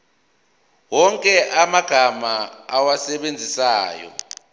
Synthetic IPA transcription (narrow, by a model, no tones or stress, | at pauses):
wɔŋkʼɛʔamaɡ̥ʱamaːwasɛɓend͡zʱisaːjɔ̰